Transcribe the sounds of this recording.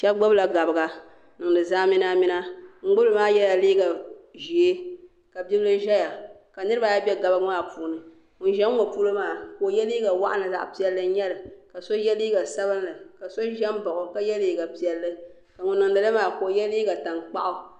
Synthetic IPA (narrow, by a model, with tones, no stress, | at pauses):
ʃɛ˦bɡ͡ba˦bla˨ɡa˨bɨ˨ɡa˨ | nɨ˨ŋ˨dɨ˨zaː˦mɪ˦na˦mɪ˦na˦ŋ͡m̩˦ɡ͡bʊ˦lɨ˨maː˦jɛ˦la˨liː˦ɡa˨ʒi˨e˦ | ka˨bi˦bɨ˦lɨ˦ʒɛ˦ja˨ | ka˨nɨ˦ɾɨ˦ba˨ja˦bʲɛ˦ɡa˨bɨ˦ɡɨ˦maː˦pu˨nɨ˨ | n̩˦ʒɛː˦o˨pu˦lo˦maː˦ko˨jɛ˦liː˦ɡa˨wa̰˦ʔa˦nɨ˨za̰˨ʔpi˦ɛ˦lːɨ˦ɲɛ˦lɨ˨ka˨so˦jɛ˦liː˦ɡa˨sa˦βɨ˦nlɨ˨ka˨so˦ʒɛ˦mba˨ʔʊ˨ka˦jɛ˦liː˦ɡa˨pi˨ɛ˨lːɨ˦ | ka˨ŋʊ˨nɨ˨ŋ˨dɨ˨lɨ˦maː˦ko˨jɛ˦liː˦ɡa˨ta˨ŋk͡pa̰˦ʔʊ˨